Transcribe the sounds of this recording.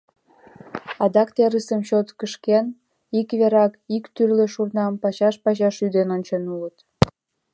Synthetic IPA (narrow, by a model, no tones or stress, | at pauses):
ɑd̪ɑkt̪eɾəsəmɕot̪kəʃken | ikβeɾɑkikt̪yrleʃurnɑmpɑɕɑʃpɑɕ̬ɑʃyd̪enonʲt͡ɕenulət̪